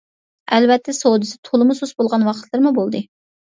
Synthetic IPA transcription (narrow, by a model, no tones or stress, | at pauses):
ælvɛt̪ʰːɛsowd̪ɨsɪt̪ʰolˠɨmususbolˠʁɑnwɑqʰət̪ʰlˠɨɾmubolˠd̪ɨ